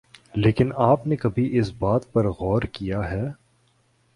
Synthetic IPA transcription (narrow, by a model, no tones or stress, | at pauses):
leːkɪnaːpnekɐbʱiʔɪsbaːt̪̚pɐɾɣɔːɾkijaɦɛː